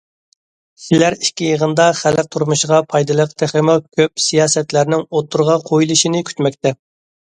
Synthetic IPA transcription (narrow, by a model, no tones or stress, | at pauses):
sɪlæɾikʲːijəʁənd̪ɑχælɪq̚t̪ʰuɾmuʃʁɑpʰɑjd̪ɨlˠəqt̪ʰɪχɪmɪkʲʰøp̚sijɑːsɛt̪læɾnɪŋot̪ʰːuɾʁɑqʰojilˠɨʃinɨkʲʰy̥t̪mɛk̚ʲt̪ɛ